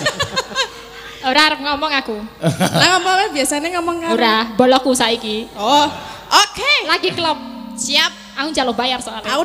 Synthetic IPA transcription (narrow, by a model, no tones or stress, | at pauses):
oɾaaɾəp̚ŋɔmɔŋakulaŋɔmɔwɛbiasaneŋɔmɔŋauɾabɔlɔkusaikiɔʔokelaɡiklɔp̚siap̚ | akunɲd͡ʒalʊhbajarsɔkaluaku